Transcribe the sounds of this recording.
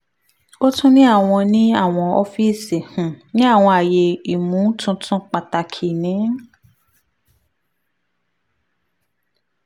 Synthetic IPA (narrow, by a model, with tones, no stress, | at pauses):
o˦tũ˦nĩ˦a˦˨w̃ɔ̃˧nĩ˦a˦˨w̃ɔ̃˧ɔ˧fi˦si˨hũ˨nĩ˦a˦˨w̃ɔ̃˧a˨je˧i˨mũ˨˦tʰũ˧˦tʰũ˦k͡pa˨ta˧kʰi˨nĩ˨˦